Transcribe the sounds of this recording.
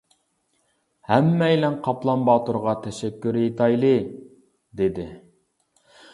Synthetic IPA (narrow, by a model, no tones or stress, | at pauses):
hæmːɛjlɛnqʰɑplˠɑmbɑːt̪uɾʁɑt̪ʰɛʃɛkʲːyɾet̪ʰɑjlˠɨ | d̪ed̪ɪ